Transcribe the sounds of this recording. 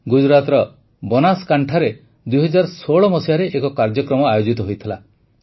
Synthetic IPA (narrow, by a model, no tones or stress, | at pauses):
ɡud͡ʒɾat̪ɾɔ | bɔnaskaɳʈʰaɾe | d̪ujɦɔd͡ʒaɾsoɭɔmɔsiaɾeʔekɔkaɾd͡ʒɔkɾɔmɔajod͡ʒit̪ɔɦojt̪ʰila